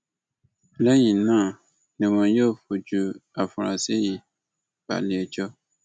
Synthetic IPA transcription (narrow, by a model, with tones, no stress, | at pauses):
lɛ˦jĩ˨nã˦˨ | nɛ̃˨mɔ̃˨jo˦˨fo˨d͡ʒu˨a˨fɔ˨ɾã̰˨si˦ji˨ | b̥a̰˨li˨e˨d͡ʒɔ˦